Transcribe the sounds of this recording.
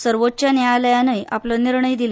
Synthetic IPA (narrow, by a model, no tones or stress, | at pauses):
səɾʋot̪̚ːt͡ɕjanjaləjanəjʔapləniɾɳəjd̪ile